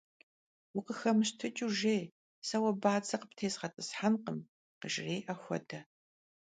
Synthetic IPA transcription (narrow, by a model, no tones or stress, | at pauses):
wʊqəxɐmɨʃtʰɨt͡ʃʼuʒeː | sɐwɐbaːt͡sʰʼɐqəptʰeːsʁɐtʼɨsħanqəm | qəʒɪreːʔɐxʷɔ̰dʰɐ